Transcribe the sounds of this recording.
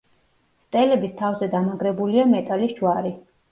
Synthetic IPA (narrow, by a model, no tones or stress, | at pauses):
st̪ʼɛlɛbist̪ʰavzɛd̪amaɡɾɛbuliamɛt̪ʼalisd͡ʒwaɾi